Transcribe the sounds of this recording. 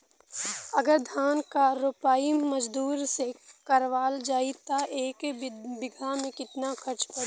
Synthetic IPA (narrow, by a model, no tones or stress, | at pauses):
ɐɡəɾd̪ʱaːnkaɾʊpaːimɐd͡ʒd̪uːɾsekɐɾʋaːld͡ʒaːit̪aʔeːkbɪɡʱamẽkɪt̪nakʰɐɾt͡ʃpɐɽ